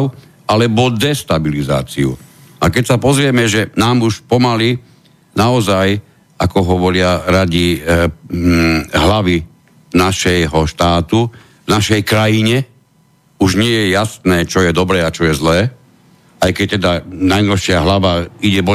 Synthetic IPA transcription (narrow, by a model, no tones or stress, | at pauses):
alɛbɔd̪ɛst̪abiliza̰ːt͡siṵ | akɛcsapɔzɾɪɛmɛʒɛnaːmuʃpɔmali | naɔzaj | akɔɦɔʋɔɾɪaɾaɟi | ɦlaʋi | naʃɛjɦɔʃt̪aːt̪u | vnaʃɛjkɾajiɲɛ | uʒɲɪɛjɛjasnɛːt͡ʃɔjɛd̪ɔbɾɛːat͡ʃɔjɛzlɛː | ajkɛc̚t̪ɛd̪anajnɔlʃɪaɦlaʋaiɟɛbɔ